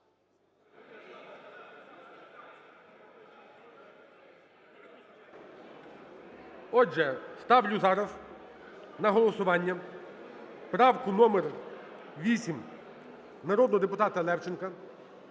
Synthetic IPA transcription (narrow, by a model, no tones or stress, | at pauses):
ɔd͡ʒɛst̪ɑwlʲʊzɑɾɐz | nɐɦɔlˠɔsʊʋɑnʲːɐ | pɾɑwkʊnɔmer | ʋʲisʲim | nɐɾɔd̪nɔɦɔd̪epʊt̪ɑt̪ɐlˠɛwt͡ʃɪnkɐ